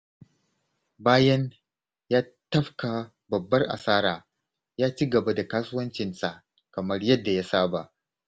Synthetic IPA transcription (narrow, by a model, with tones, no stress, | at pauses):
baː˦jɐ˦n | jaː˦ | tɐ˦ɸka˨ | bɐ˨bːɐ˦rʔa̰˨saː˦ɾaː˨ | jaː˦t͡ʃiː˦ɡɐ˨ba˦da˨kaː˦sʊ˦wɐ˦nt͡ʃɪ˨nsa˨ʔ | kɐ˨mɐ˦rjɐ˦dːa˨ja˦saː˦ba˨ʔ